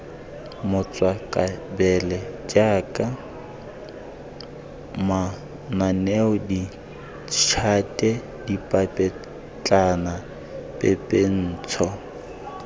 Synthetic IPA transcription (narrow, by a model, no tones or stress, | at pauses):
mʊt͡sʼwakʼabɛlɛd͡ʒaːkʼa | ma | nanɛʊdi | t͡ʃʰatʼɛ | dipʼapʼɛ | t͡ɬʼana | pʼɛpʼen̩ːt͡sʰɔ